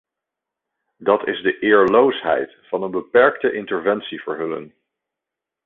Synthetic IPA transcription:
dɑtɪ̰zdəʔɪːɹlowsɦɛ̰jtfɑnənbəpɛɹktəʔɪntəɹvɛnsiv̥əɹɦɵlə̰n

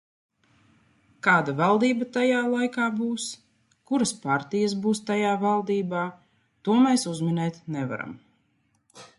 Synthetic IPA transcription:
kaːd̪avalˠd̪iːbat̪ajaːlˠajkaːbuːs | kuɾaspaɾt̪ijas̬buːst̪ajaːvalˠd̪iːbaː | t̪uɔmɛːsuzminɛːt̪nɛva̰ɾa̰m

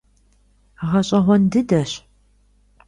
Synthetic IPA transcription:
ʁɐɕʼɐʁʷɔndɨdɐɕ

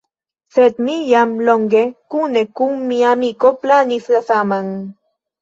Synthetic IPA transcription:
set̪mijamloŋɡekunekuŋmiamikoplanisasamaŋ

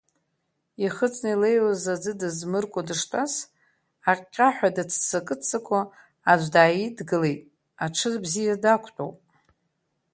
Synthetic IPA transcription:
iχət͡sʰʼnailejwazad͡zɨdɨzmɨrkʷʼadɨʂtʰʼas | aqʲʼaħʷᶣadat͡sʰsakʼɨt͡sʰakʷʰa | ad͡ʒʷdaːjidɡɨle̞jtʼ | aʈ͡ʂʰɨzbzijadakʷʰtʼo̰wpʼ

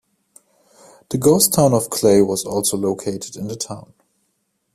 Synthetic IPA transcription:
ðəɡoʊstʰãʊ̃nɔvkʰl̥eɪwʌzɔlˠsoʊloʊkʰeɪtʰɨdɪ̃nðətʰãʊ̃n

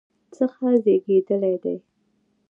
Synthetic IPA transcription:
t͡səxazeɡed̪əlajd̪aj

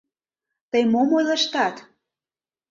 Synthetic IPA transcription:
t̪əjmomojlɑʃt̪ɑt̪

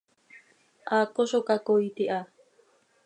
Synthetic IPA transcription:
ʔakoʃokakojt̪iʔa

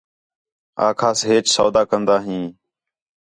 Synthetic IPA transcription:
a̰ːkʰaːsɦeːt͡ʃsoːd̪aːkənd̪aːɦĩː

